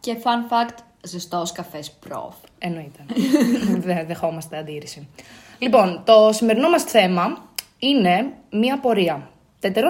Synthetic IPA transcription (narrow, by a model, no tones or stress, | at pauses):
cefɐnfɐkt̪ | zist̪ooskɐfespɾo̰f | eno̞it̪e̞ | ðeðe̞xo̞mɐst̪eɐnd̪iɾisilipo̞nt̪o̞sime̞ɾino̞mɐsθe̞mɐ | ine̞miɐpo̞ɾiɐ | t̪et̪eɾo